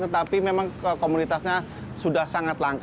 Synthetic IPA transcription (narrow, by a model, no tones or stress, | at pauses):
t̪ət̪apimemaŋəkomunit̪asɲa | sudahsaŋat̪laŋk